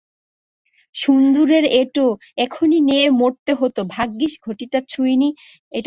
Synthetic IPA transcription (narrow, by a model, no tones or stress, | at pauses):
ʃund̪uɾeɾeʈo | ɛkʰonineemoʈːeɦot̪obʱaɡːiʃɡʱoʈiʈat͡ɕʰujni | eʈ